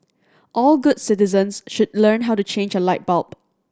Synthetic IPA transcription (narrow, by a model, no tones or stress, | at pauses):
ʔɔlɡʊdsɪtɪzə̃nsʃʊd̚lɜnɦaʊtut͡ʃẽnd͡ʒəlaɪt̚b̥ɔlp